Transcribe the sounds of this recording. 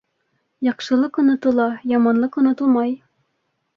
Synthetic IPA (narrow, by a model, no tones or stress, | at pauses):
jɑqʃɤ̆lˠɤqŏnɑ̆t̪ɤ̆lˠɑjɑmɑnlˠɤqŏnɑ̆t̪ɤlˠmɑj